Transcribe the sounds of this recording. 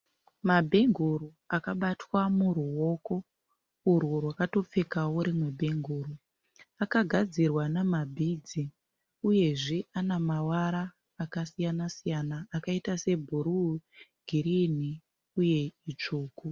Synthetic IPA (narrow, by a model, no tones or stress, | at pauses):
mabʱe̞ŋɡʱuɾu | akaɓatwamuɾuo̞ko̞ | urworwakato̞p͡fe̞kawoɾimwe̞bʱe̞ŋɡʱuːɾu | akaɡʱad͡zirwanamabʱid͡zi | uje̞ʐe̞anamawaɾaː | kasijanasijanaːkaitase̞bʱuɾuɡʱiɾini | uje̞it͡ʂuːku